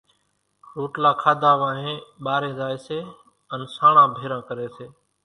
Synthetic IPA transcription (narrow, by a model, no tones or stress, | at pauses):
ɾoːʈlaːkʰaːd̪ʱaːʋãːɦẽːɓaːɾẽːzaːeːseː | ənsaːɳãːbʱeːɾãːkəɾeːseː